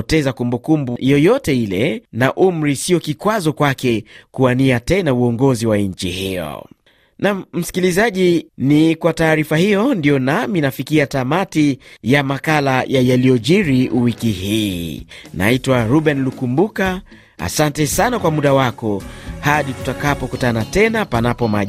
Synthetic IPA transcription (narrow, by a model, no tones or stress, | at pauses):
ɔtɛzakumbukumbujɔjɔtɛilɛnaʔum̩ɾisiɔkikwazɔkwakɛkuaniatɛnauɔŋɡɔziwaɲ̩t͡ʃḭhijɔ̰ | nam̩m̩si̥kilizaʄinikwataːɾifahijɔndijɔnaminafikiatamatijamakalajajalijɔʄiɾiuwikihiːna̰itwaɾuɓɛnlukumbuka | a̰santɛsanakwamuɗawakɔhaɗitu̥takapɔkutanatɛnapanapɔma